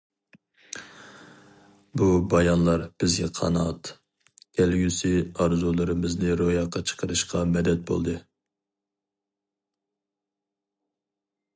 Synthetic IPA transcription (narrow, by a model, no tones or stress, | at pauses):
bubɑjɑnlˠɑɾb̥ɪzɡʲɛqʰɑ̰nɑt̪ʲ | ɛlɡʲysɪɑɾzulˠɨɾɨmɪznɨɾojɑqʰːɑt͡ʃʰə̥qʰəɾɨʃqʰɑmɛd̪ɛt̪̚bo̰lˠd̪ɨ